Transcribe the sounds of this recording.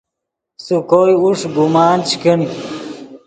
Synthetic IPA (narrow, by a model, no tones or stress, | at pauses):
sukoːjuʂɡumaːnt͡ɕkiɳi